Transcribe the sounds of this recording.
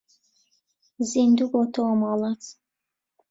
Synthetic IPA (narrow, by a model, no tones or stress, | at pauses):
zind̪uɡɔt̪ʰɔmɑlat͡sʰ